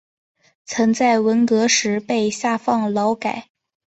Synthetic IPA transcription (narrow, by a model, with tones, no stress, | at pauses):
t͡sʰɤ˧˥ŋt͡sa˥˩ɪwə˧˥nkɤ˧˥ʂɻ̩˧˥pe˥˧ɪɕja˥˧fɑ˥˩ŋlɑ˧˥ʊka˨˩˦ɪ